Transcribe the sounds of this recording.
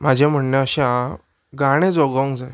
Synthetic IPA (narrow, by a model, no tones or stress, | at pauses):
mad͡ʑʱãm̤əɳːəəɕa | ɡaɽ̃ed͡zɔɡəŋɡd͡za